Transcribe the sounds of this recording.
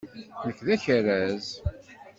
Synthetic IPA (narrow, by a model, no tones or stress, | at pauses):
nəkːðæçəɾæz